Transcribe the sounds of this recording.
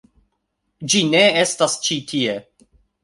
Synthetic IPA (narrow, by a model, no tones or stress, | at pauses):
d͡ʒine̞estast͡ʃitʰie̞